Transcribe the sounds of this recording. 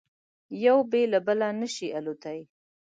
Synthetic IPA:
jawbelabəlanəʃialot̪aj

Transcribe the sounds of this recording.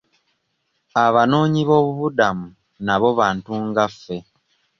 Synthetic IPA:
aβano̞ːɲiβo̞ːβuβudamu | naβo̞βaːntuːŋɡafːe̞

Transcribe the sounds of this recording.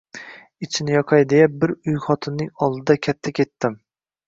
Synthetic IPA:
ɪt͡ʃʰɪnɪjɒqʰɑjd̪ejap̚bɪɾʊjχɒt̪ʰɪnːɪŋɒlˠd̪ɪd̪akʲʰat̪ʰːakʲe̞t̪ːɪm

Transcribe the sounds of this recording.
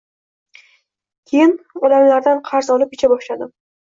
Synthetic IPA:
kʲʰejɪnɒd̪amlaɾd̪anqʰɑɾzɒlɪp̚et͡ʃʰabɒʃlad̪ɪm

